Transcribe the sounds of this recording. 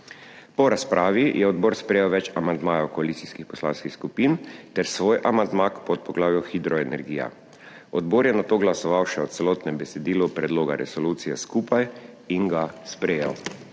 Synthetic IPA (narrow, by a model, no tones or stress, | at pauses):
pɔɾaspɾʔaːʋijʔɛɔd̪boːɾspɾɛjɛwʋɛt͡ʃamand̪maːjawkɔalit̪siskixpɔ̥sla̰ːnskixskupiːnt̪ɛɾsʋoːjʔamand̪makpɔt̪̚pɔɡlaːwjɔxid̪ɾɔɛnɛɾɡiːja̰ | ɔd̪boːɾjɛnat̪oːɡlasɔʋawʃɛɔt̪sɛloːt̪nɛmbɛsɛd̪iːlupɾɛd̪loːɡaɾʔɛ̰sɔluːt̪sijɛskuːpajiŋɡaspɾɛjɛ̰w